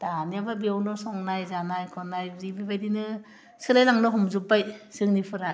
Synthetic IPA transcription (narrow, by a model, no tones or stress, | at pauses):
d̥aniababiawnɔsɔŋnajzanajkʰɔnajzibibajdinɯ | sɯlajlaŋnɯɦɔmzupːajsɯŋnipʰɯɾa